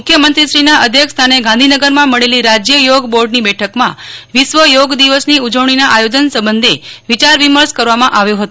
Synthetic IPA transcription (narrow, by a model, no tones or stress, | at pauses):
mukʰːjəmənt̪ɾiʃɾinaʔəd̪ʱjəkst̪ʰaneɡãnd̪ʱinəɡəɾmãməɭeliɾad͡ʒjəjoɡboɾɖnibɛʈʰəkmã̰ʋiʃʋəjoɡd̪iʋəsniud͡ʒəʋɳ̃inaʔajod͡ʒənsəbənd̪ʱeʋit͡ʃaɾʋiməɾskəɾʋamãʔaʋjõɦət̪o